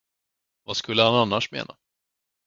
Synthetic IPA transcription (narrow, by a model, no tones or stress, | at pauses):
vaskɵlːəhananːaʂmḛːna̰